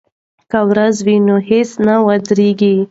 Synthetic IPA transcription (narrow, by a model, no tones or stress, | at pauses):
kawɾazwinohesnawad̪ɾeɡi